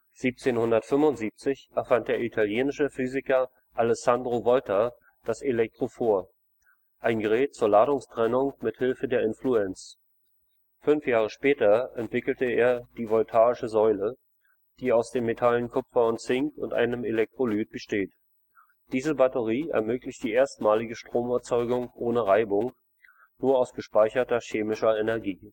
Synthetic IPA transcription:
z̥iːp̚t͡seːnhʊndɐtfʏmvʊntz̥iːp̚t͡sɪçʔɛɐfant̚d̥eːɐitʰaljeːnɪʃəfyːzɪkɐ | ʔalɛsandʁovɔltʰɐ | d̥aselɛk̚tʁ̥ofoːɐ | ʔaɪnɡəʁɛːt̚t͡suːɐlaːɾʊŋstʁ̥ɛnʊŋmɪthɪlfədeːɐɪnfluɛnt͡s | fʏnfjaːʁ̞əʃpɛːtɐʔɛntv̥ɪkl̩təeːɐd̥iːvɔltʰaːɪʃəzɔʏlə | d̥iːaʊsd̥eːmːetʰalənkʰʊpfɐʊntt͡sɪŋkʊ̰ntʔa̰ɪnəmelɛk̚tʁ̥olyːt̚b̥əʃteːt | d̥iːzəbatəʁiːɛ̰ɐmøːklɪçt̚d̥iːʔeːɐstmaːlɪɡəʃtʁ̥oːmɛɐt͡sɔʏɡʊŋʔoːnəʁaɪbʊŋ | nuːɐaʊsɡ̥əʃpaɪçɐtɐɕeːmɪʃɐɛnɛɐɡiː

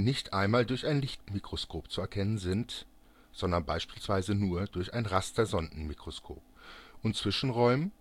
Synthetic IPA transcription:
nɪçtʔaɪnmaːldʊɐçaɪnlɪçtmikʁ̥oskʰoːpt͡suɛɐkʰɛnənzɪnt | z̥ɔndɐnbaɪʃpiːlsv̥aɪzənuːɐd̥ʊɐçaɪnʁasd̥ɐzɔndn̩mikʁ̥oskʰo̰ːp̚ʔʊnt͡sv̥ɪʃn̩ʁɔʏm

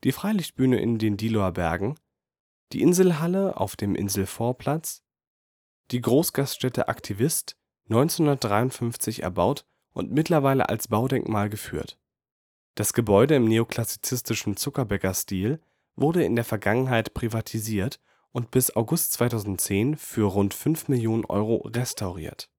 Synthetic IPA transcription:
d̥iːfʁ̥aɪlɪçt̚b̥yːnə̰ʔɪ̰ndeːndiːloabɛɐɡŋ̩ | d̥ḭːʔɪnzl̩ɦaləʔa̰ʊfd̥eːmʔɪ̰nzl̩foːɐpl̥at͡s | d̥iːɡʁoːsɡ̥astʃtɛtʰə̰ʔa̰ktʰivɪst | nɔʏnt͡senʊndɐt̚d̥ʁaɪʊntfʏnft͡sɪçɛ̰ɐbaʊt | ʔʊ̰ntmɪtʰlɐvaɪlə̰ʔa̰lsb̥aʊdɛŋkmaːlɡəfy̰ːɐt | d̥asɡ̥əbɔʏdəɪmneːokʰl̥asi̥t͡sɪstɪʃn̩t͡sʊkɐbɛkɐstiːl | vʊʁɾəɪ̰ndeːɐfɛɐɡaŋənɦaɪtpʁ̥ivatʰiziːɐt | ʔʊntb̥ɪsaʊɡʊstt͡sv̥aɪtʰaʊzn̩tt͡seːnfyːɐʁʊntfʏnfmɪljoːnənʔɔ̰ʏʁoʁɛstʰaʊʁḭːɐt

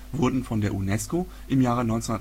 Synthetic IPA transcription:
vʊɐdn̩fɔndeːɐʔunɛsko | ʔɪmjaːʁ̞ənɔʏnsun

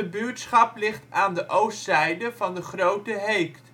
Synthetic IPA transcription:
əbyːɹtsχɑplɪχtaːndəʔowstsɛjdəvɑndəχrowtəɦejkt

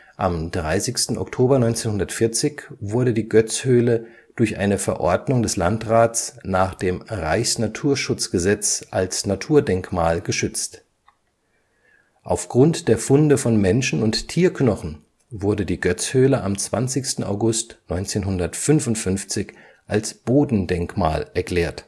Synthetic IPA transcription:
ʔa̰mdʁaɪsɪçstn̩ʔɔ̰ktʰoːbɐnɔʏnt͡seːnhʊndɐtfɪɐt͡sɪçvʊɐɾədiːɡœt͡shøːlə | d̥ʊɐçʔa̰ɪnəfɛɐʔɔ̰ɐdnʊŋdɛslantʁaːtt͡snaːχd̥eːmʁaɪçsnatʰuːɐʃʊt͡sɡ̥əzɛt͡sʔalsnatʰuːɐdɛŋkmaːlɡəʃʏt͡st | ʔaʊfɡ̥ʁʊntd̥eːɐfʊndəfɔnmɛnʃn̩ʊnttʰiːɐknɔχn̩ | vʊɐdədiːɡœt͡shøːləʔamt͡sv̥a̰nt͡sɪçstn̩a̰ʊɡʊstnɔʏnt͡seːnɦʊndɐtfʏnvʊntfʏnft͡sɪç | ʔalsb̥oːdn̩dɛŋkma̰ːlɛɐkl̥ɛːɐt

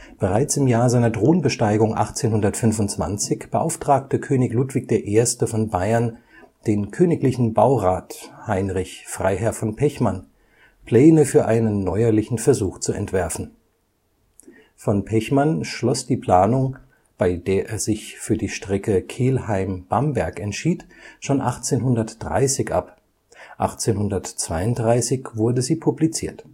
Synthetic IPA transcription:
b̥əʁaɪt͡sɪmjaːɐzaɪnɐdʁoːənbəʃtaɪɡʊŋʔa̰χt͡seːnɦʊndɐtfʏnvʊnt͡sv̥a̰nt͡sɪçb̥əʔa̰ʊftʁ̥aːk̚təkʰøːnɪçluːtv̥ɪk̚d̥eːɐʔeːɐstəfɔnbaɪɐn | d̥eːnkʰøːnɪklɪçn̩baʊʁaːthaɪnʁɪçfʁ̥a̰ɪɦɛɐfɔnpʰɛçman | pʰl̥ɛːnəfyːɐʔaɪnənːɔʏɐlɪçn̩fɛɐzuːxt͡suɛ̰ntv̥ɛɐfn̩ | fɔnpʰɛçmanʃlɔsd̥iːpʰl̥aːnʊŋ | b̥aɪdeːɐʔeːɐzɪçfyːɐdiːʃtʁ̥ɛkəkʰeːlhaɪmb̥ambɛɐkɛntʃiːtʃoːnʔaχt͡seːnɦʊndɐtd̥ʁa̰ɪsɪçʔa̰p | ʔa̰χt͡seːnɦʊndɐtt͡sv̥aɪʊnt̚dʁaɪsɪçv̥ʊɐdəziːpʰublit͡siːɐt

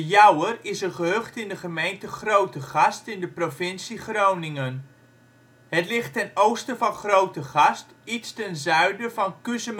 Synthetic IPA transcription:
əjʌwərɪsəχəɦøχtɪndəχəmejntəχrowtəχɑstɪndəprovɪnsiχrownɪŋən | ɦətlɪχtɛnowstəvɑnχrowtəχɑst | itstɛnzœɥdəvɑnkøsəm

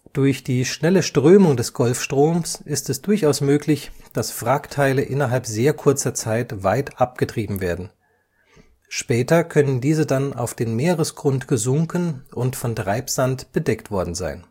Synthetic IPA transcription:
d̥ʊɐçd̥iːʃnɛləʃtʁ̥øːmʊŋdɛsɡ̥ɔlfʃtʁ̥oːmsʔɪstɛsd̥ʊɐçaʊsmøːklɪçd̥asfʁ̥aktʰaɪləʔɪnɐɦalpz̥eːɐkʰʊɐt͡sɐt͡saɪtvaɪtʔap̚ɡ̥ətʁ̥iːbm̩veːɐdn̩ | ʃpɛːtɐkʰœnəndiːzədana̰ʊfd̥eːnmeːʁəsɡ̥ʁʊntɡ̥əzʊŋkənʔʊntfɔntʁ̥aɪpz̥antb̥ədɛktv̥ɔɐdn̩za̰ɪn

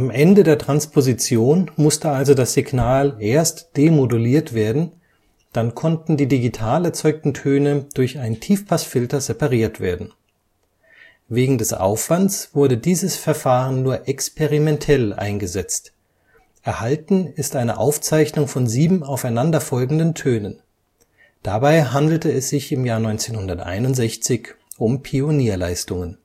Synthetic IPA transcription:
ʔamʔɛndədeːɐtʁ̥anspʰozit͡sjoːnmʊstəʔalzodasz̥iɡnaːlʔeːɐstd̥emoduliːɐtv̥eːɐdn̩ | d̥ankʰɔntn̩diːdiɡitʰaːlɛɐt͡sɔʏk̚tn̩tʰøːnəd̥ʊɐçaɪntʰiːfpʰasfɪltɐzepaʁiːɐtv̥ḛːɐdn̩ | veːɡŋ̩dɛsʔa̰ʊfv̥antt͡sv̥ʊɐdədiːzəsfɛɐfaːʁənːuːɐʔɛkspʰeʁimɛntʰɛlʔa̰ɪnɡəzɛt͡st | ʔɛɐhaltn̩ɪstʔaɪnə̰ʔa̰ʊft͡saɪçnʊŋfɔnziːbm̩aʊfaɪnandɐfɔlɡŋ̩dəntʰøːnən | d̥abaɪɦandl̩təɛsz̥ɪçɪmjaːɐnɔʏnt͡seːnhʊndɐtʔa̰ɪnʊntz̥ɛçt͡sɪçʔʊmpʰioniːɐlaɪstʊŋən

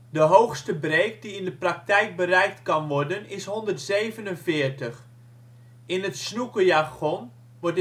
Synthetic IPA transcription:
dəɦowxstəbreːkdiɪndəprak̚tɛjk̚bərɛjk̚tkɑnʋɔɹdənɪsɦɔndərtsejvənənfɪːɹtəx | ɪnətsnukəjaxɔn | ʋɔɹt

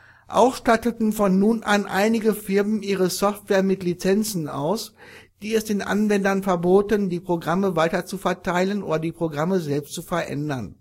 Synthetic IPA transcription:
ʔa̰ʊxʃtatətn̩fɔnːuːnʔanʔa̰ɪnɪɡəfɪɐmn̩ʔiːʁ̞əsɔftv̥ɛːɐmɪtlit͡sɛnt͡sn̩a̰ʊsd̥iːɛsd̥eːnʔa̰nvɛndɐnfɛɐboːtəndiːpʁ̥oɡʁaməvaɪtɐt͡sufɛɐtʰaɪlənʔo̰ːdɐdiːpʁ̥oɡʁaməzɛlpstt͡sufɛɐʔɛ̰ndɐn

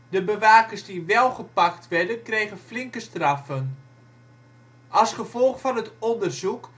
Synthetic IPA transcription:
dəbəʋaːkərsdiʋɛlˠχəpaktʋɛɹdənkrejɣənflɪŋkəstrafən | ɑsχəvɔlˠχfɔnətɔndərzuk

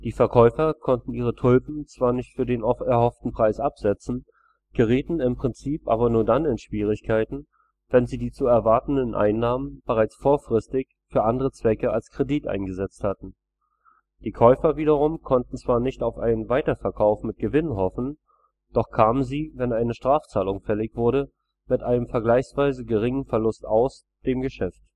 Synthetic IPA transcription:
d̥iːfɛɐkʰɔʏfɐkʰɔntn̩ʔiːʁətʰʊlpm̩t͡sv̥aːɐnɪçtfyːɐdeːnʔɔftɛɐhɔftn̩pʁ̥aɪsʔapz̥ɛt͡sn̩ | ɡ̥əʁ̞iːtn̩ɪmpʁ̥ɪnt͡siːpʔaːbɐnuːɐdanɪnʃv̥iːʁ̞ɪçkʰaɪtn̩ | vɛnziːdiːt͡suɛɐvaɐtn̩dənʔa̰ɪnːaːmənb̥əʁaɪt͡sfoːɐfʁ̥ɪstɪç | fyːɐʔandəʁət͡sv̥ɛkəalskʁ̥ediːtʔa̰ɪnɡəzɛt͡sthatn̩ | d̥iːkʰɔʏfɐviːdɐʁʊmkʰɔntn̩t͡sv̥aːɐnɪçtaʊfʔa̰ɪnənvaɪtɐfɛɐkʰaʊfmɪt̚ɡ̥əvɪnɦɔfn̩ | d̥ɔχkʰaːmənziːvɛnaɪnəʃtʁ̥aːft͡saːlʊŋfɛlɪçv̥ʊɐɾə | mɪtʔaɪnəmfɛɐɡlaɪçsv̥aɪzəɡəʁɪŋənfɛɐlʊstaʊs | d̥eːmɡəʃɛft

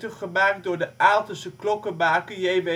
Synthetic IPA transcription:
təχəmaːkdʊːɹdəʔaːlˠtəsəklɔkəbaːkəjejʋe

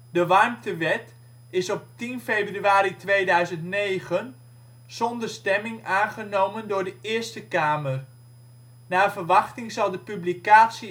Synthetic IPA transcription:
dəʋɑrmtəʋɛt | ɪsɔp̚tinfejbryaːɾitʋeːdœɥzəntnejχən | z̥ɔndərstɛmɪŋaːnχənowməndʊːɹdəɪːəɹstəkaːmər | naːvərʋɑχtɪŋzɑlˠdəpyblikaːtsi

